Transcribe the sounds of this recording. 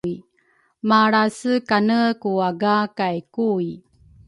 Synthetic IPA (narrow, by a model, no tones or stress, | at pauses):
i | maɾasəkanəkuaɡakajkui